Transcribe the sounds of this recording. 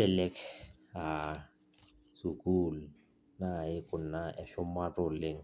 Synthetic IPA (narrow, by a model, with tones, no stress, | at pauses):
ɛ˨lɛ˦kʰ | ɦa˨ | su˨kʼu˦l | na˦˨ɪ˦kʼʊ˨n̩˨na˦ʔɛ˨ʃʊ˦ma˦tʼʊ˨lɪ˦ŋ̩˦